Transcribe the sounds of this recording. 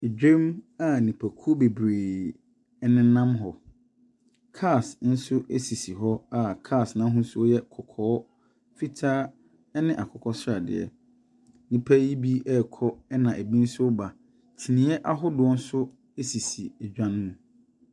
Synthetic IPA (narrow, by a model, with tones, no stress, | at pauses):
e˨d͡ʑᶣẽ˦ma˨nĩ˨pʰæ˨kʰu˦o˦be˨bɾeː˨ | ɛ˦nɪ̃˦nã˦mɦɔ˨ | kʰa˦˨sn̩˦sʊ˦ʔe˦si˨si˨ɦɔ˦a˦kʰa˦˨snã˦ɦʊ̃˦n̩˦sʊ˦ɔ˦jɛ˦kʰɔ˨kʰɔː˦ | fi˦tʰaː˦ | ɛ˦nɪ̃˦ʔa˨kʰɔ˨kʰɔ˦sa˨dɪ̰˨ɛ̰˨ | nĩ˨pʰæ˦ji˦bi˦ʔɛ˦˨kʰɔ˦ɛ˦nã˨ʔe˨bĩ˦n̩˦sʊ˦ʊ˦ba˨ | tʰi˨nĩ˨˦ɛ˦ʔa˦ɦʊ˦dʊ˨ɔ˦n̩˦sʊ˦ | e˦si˨si˨ɛ˨d͡ʑᶣã˦n˦mũ˨